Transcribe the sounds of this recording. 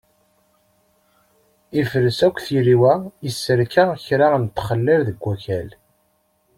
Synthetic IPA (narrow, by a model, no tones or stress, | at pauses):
ifəɾəsækʷːθiɾiwæisːəɾkæçɾant̪ːχəlːævðəɡʷːæçæl